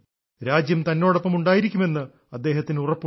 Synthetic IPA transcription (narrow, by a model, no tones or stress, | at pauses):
ɾaːd͡ʑjɐmt̪ɐnːo̞ːɽɐpːɐmuɳɖaːjiɾikʲːume̞nːɨ | ɐd̪ːe̞ːɦɐt̪ːinurɐpː